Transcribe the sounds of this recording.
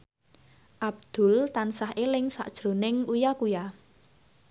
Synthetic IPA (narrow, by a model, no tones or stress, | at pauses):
ʔab̚d̪̥ʊ̤lt̪ansaɦelɪŋsa̰ʔd̥ʒ̥ɾo̤nɪŋujakuja